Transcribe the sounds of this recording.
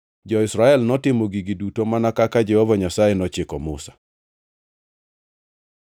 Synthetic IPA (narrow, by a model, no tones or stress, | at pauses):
d͡ʒɔɪsɾaɛlnɔtɪmoɡiɡidutomanakakad͡ʒɛhɔvaɲasajenɔt͡ʃɪkɔmʊsḁ